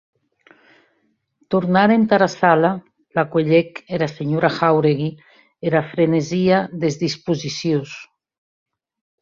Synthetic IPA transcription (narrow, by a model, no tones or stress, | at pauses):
t̪uɾnaɾent̪aɾasala | lakweʎekeɾaseɲoɾaxawɾeɣi | eɾafɾeneziaðezðispuzisjos